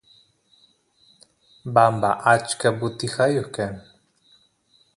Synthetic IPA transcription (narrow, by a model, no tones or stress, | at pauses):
bambaʔat͡ʃkabʊt̪ɪxajohkan